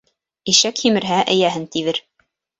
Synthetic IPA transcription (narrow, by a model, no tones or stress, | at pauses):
iʃækhimɘ̆ɾɦæʔɘ̆jæɦɘnt̪iβɘɾ